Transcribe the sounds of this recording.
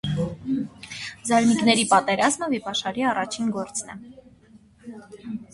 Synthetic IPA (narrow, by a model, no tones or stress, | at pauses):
zɑɾnikn̪ɛɾipɑt̪ɛɾɑzməvipɑʃɑɾiɑrɑt͡ʃʰinɡɔɾt͡snɛ